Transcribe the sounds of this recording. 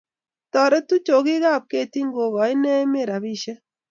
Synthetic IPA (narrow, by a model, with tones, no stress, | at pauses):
tɔ˨ɾe˦tu˦t͡ʃo˨ɣi˦ɣa˦˨p̚ke˦ti˦ŋɡo˨ɣɔ˨i˦ne˦me˦˨ɾa˨βi˦ʃe˦